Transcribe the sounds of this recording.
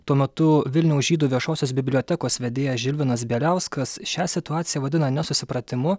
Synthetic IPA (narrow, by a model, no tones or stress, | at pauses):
t̪uɔmʲɛt̪ʊʋʲɪlʲnʲɛʊsʒʲiːd̪uːʋʲiɛʃoːsʲoːsbʲɪbʲlʲoːt̪ʲækoːsʋʲɛd̪ʲeːjɛʒʲɪlʲʋʲɪnɐs̬bʲeːlʲæˑʊskɐsʃʲæsʲɪt̪ʊɑːt̪sʲɪjɛʋɐd̪ʲɪnɐnʲɛsʊsʲɪpɾɐt̪ʲɪmʊ